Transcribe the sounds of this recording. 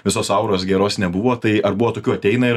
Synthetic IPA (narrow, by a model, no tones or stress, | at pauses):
ʋʲɪsoːsɐʊɾoːsɡʲɛɾoːsnʲɛbʊʋoːt̪ɐɪɐɾbʊʋoːt̪oːkʲuːɐt̪ʲɛɪnɐɪɾ